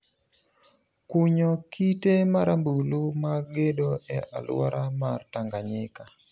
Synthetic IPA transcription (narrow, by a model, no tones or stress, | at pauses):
kuɲokitemaɾambulumaɡedoɛʔalwa̰ɾamartaŋɡaɲɪka